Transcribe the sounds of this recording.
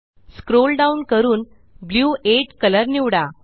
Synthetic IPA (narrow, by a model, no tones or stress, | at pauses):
skɾolɖaunkəɾuːn | bljueʈkələɾniʋɽa